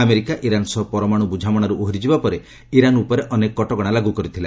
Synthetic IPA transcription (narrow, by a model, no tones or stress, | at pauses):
ameɾikaʔiɾansɔɦpɔɾɔmaɽ̃ubud͡ʒʱamɔɽ̃aɾuʔoɦɾid͡ʒibapɔɾe | iɾanupɔɾeʔɔnekɔɔʈɔɡɔɽ̃alaɡukɔɾit̪ʰila